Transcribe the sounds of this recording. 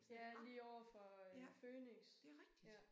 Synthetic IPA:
jæliːɒʊ̰ɐfɒ̽føːneŋsjæ

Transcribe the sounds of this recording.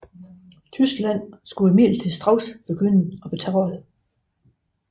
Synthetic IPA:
t͡sʰysɡ̥læn̰sɡ̥uemḭːld̥t͡sʰesd̥ʁɑ̈ʊsb̥e̝ɡ̥øn̰əɒ̽b̥e̝t͡sʰæɒ̽ð̩ˠ

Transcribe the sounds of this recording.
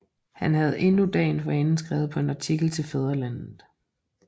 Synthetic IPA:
hænɦæð̞̩ˠe̝nud̥ɛ̰ːɪnfɒ̽enn̩sɡ̥ʁɛ̰ːʊð̞̩ˠpʰɒ̽e̝nɑ̈t͡sʰiɡ̥l̩t͡sʰe̝lfeð̞ˠɐlænð̩ˠ

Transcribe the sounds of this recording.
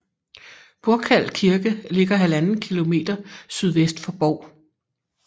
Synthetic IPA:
b̥oɐɡ̥ʰæl̰kʰiɐɡ̥əle̝ɡ̥ɐɦælænn̩kʰilo̝me̝̰ːd̥ɐsyð̞ˠʋesd̥fɒ̽b̥ɒʊ̰

